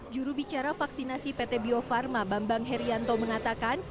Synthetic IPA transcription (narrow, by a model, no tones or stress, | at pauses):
d͡ʒuɾubit͡ʃaɾafaksinasipet̪ɛbiofarmabambaŋɦɛɾiant̪ɔməŋat̪akan